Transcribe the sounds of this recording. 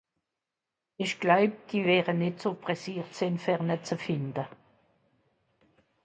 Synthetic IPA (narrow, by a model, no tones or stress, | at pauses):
ɪʃɡ̥laʊp̚d̥iːvɛːʁənɪtsopʁɛsiːʁtsɛnfɛʁnət͡səfɪndə